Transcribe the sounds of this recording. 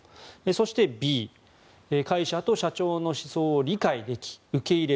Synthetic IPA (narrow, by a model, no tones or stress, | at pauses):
eso̞ɕi̥t̪e̞bʲiː | ekaiɕat̪o̞ɕat͡ɕo̞ːno̞ɕi̥so̞ːɾʲikaid̪e̞kʲi̥ɯ̟ke̞iɾe